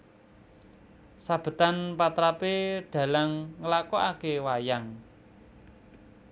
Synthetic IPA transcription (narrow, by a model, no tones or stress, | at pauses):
sab̥ə̤t̪anpat̪ɾapeɖ̥a̤laŋːəlakɔʔakewajaŋ